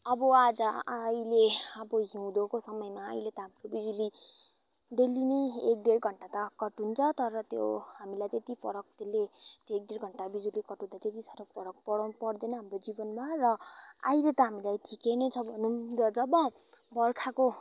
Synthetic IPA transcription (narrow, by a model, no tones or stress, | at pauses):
ʌbʌad͡zʌajleʌbʌɦiw̃d̪okosʌmʌjmaːjlet̪ʌɦamɾobid͡zuli | d̪elineek̚d̪erɡʱʌɳʈat̪ʌkʌʈunt͡sʰʌt̪ʌɾʌt̪jo̰ɦamilajt̪et̪ipʰʌɾʌk̚t̪elːet̪eːk̚d̪erɡʱʌɳʈabid͡zulikʌʈũd̪at̪et̪isaɾopʰʌɾʌk̚pʌɽpʌɽd̪enʌɦamrod͡zibʌnmarʌajlet̪ʌɦamilajʈʰikenet͡sʰʌbʱʌnudʌd͡zʌbʌ | bʌrkʰako